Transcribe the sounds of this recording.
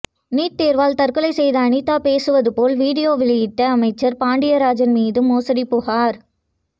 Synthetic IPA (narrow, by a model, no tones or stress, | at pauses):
niːʈ̚t̪eːɾʋaːlt̪ɐrkɯlɐɪsɛjðɐːɳɪt̪ːaːpeːsɯʋɐðɯpoːlʋiːɽɪjoːʋɪlɐjɪʈːɐɐmɐɪt͡ʃːɐɾpaːɳɖɪjɐɾaːd͡ʒɐnmiːðɯmoːsɐɽipʊhaːɾ